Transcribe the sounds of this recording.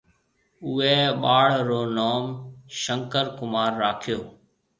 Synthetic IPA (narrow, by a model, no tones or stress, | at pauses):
ʊeːɓaːɽɾoːnoːmʃə̃ŋkəɾkʊmaːɾːaːkʰɪjoː